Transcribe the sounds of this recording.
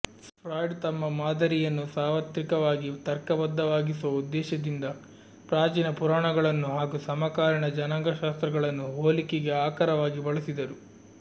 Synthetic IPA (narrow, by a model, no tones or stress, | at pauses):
spʰɾaːjɖt̪ɐmːɐmaːd̪ɐɾijɐnːusaːʋɐt̪ɾikɐʋaːɡit̪ɐɾkɐbɐd̪ːɐʋaːɡisuʋɐud̪ːɛːʃɐd̪ind̪ɐ | pɾaːd͡ʒinɐpuɾaːɳɐɡɐɭɐnːuɦaːɡusɐmɐkaːɾɐɳɐd͡ʒɐnɐŋɡɐʃaːst̪ɾɐɡɐɭɐnːuɦoːlikeɡe̞aːkɐɾɐʋaːɡibɐɭɐsid̪ɐɾu